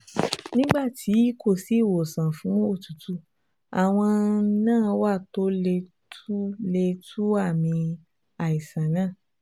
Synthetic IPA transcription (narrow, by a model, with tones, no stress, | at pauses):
nĩ˦ɡ͡ba˦˨tʰi˨˦ko˦˨si˨˦˨wo˨sã˨fũ˨˦o˦˨tu˨tʰu˦ | a˨w̃ɔ̃˧˦nãː˦˨wa˦˨to˨˦le˧ | tʰu˦le˧tʰu˦a˦˨mĩ˧ | a˨i˨sã˨nãː˦˨